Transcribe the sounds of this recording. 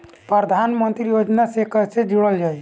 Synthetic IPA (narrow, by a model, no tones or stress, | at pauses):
pɾəɾd̪ʱanmənt̪ɾijod͡ʒnasekəsed͡ʒuɽəld͡ʒaj